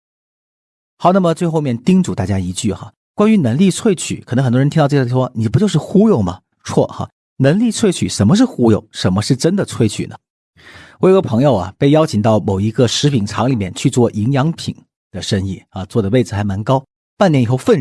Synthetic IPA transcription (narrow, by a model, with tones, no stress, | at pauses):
xɑ˧˥ʊna˥˩mə˩t͡swe˥˧ɪxo˥˧ʊmjɛ˥˩nt̪i˥ŋt͡su˨˩t̪a˥˩t͡ɕja˥i˧˥t͡ɕy˥˩xa̰˩ | kwa˥ny˧˥nɤ˧˥ŋli˥˧t͡sʰwe˥˧ɪt͡ɕʰy̰˨˩˦kʰə˨˩˧ŋxt̪wnʰ˥˧˥ʂwɔ˥ni˨˩p̬u˧˥t͡ɕjo˥˧ʊʂɻ̩˥˩xu˥jo˥˩ʊmɐ̰˩ | t͡sʰwɔ̰˥˩xɐ̰˧˩ | nə˧˥ŋli˥˧t͡sʰwe˥˩ɪt͡ɕʰy̰˨˩ʂə˧˥nmə˧ʂ̬ɻ̩˥˩xu˥jo˨˩ʊʂə˧˥nmə˧ʂɻ̩˥˩ʈ͡ʂə˥nd̪ə˨t͡sʰwe˥˧ɪt͡ɕʰy˨˩nə̰˦ | wjo˧˩˥ɡə˧pʰɤ˧˥ŋjo˥˧ʊɐ̰˩pe˥˩ɪjɑ˥ʊt͡ɕʰi˨˩ŋt̪ɑ˥˩ʊmo˨˩ʊi˧˥ɡə˧ʂɻ̩˧˥pʰi˨˩ŋʈ͡ʂʰɑ˧˥ŋli˨˩mjɛ˥˧nt͡ɕʰy˥˧t͡swɔ˥˩ʔi˧˥ŋjɑ˧˥ŋpʰi˨˩˦ŋ | d̪̥ə˦ʂə˥ŋi˥˩ɐ˧t͡swɔ˥˩d̪ə˩we˥˩ɪd͡zɹ̩˩xa˧˥ɪma˧˥nkɑ˥ʊ | pa˥˩nljɛ˧˥ni˨˩xo˥˧ʊfə˥˧n